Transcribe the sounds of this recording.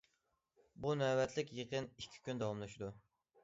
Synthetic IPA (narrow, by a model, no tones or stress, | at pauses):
bunɛwɛt̪ʰlɪkʲjeqʰənikʲʰːi̥kʲynd̪ɑwɑmlˠɑʃɪd̪u